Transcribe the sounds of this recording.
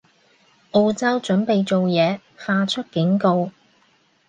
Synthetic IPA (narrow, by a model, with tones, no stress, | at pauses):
ʔo˧wt͡sɐ˥wt͡ʃɵ˨˥npe˨jt͡so˨wjɛː˨˧ | faː˧t͡ʃʰɵ˥t̚kɪ˨˥ŋko˧w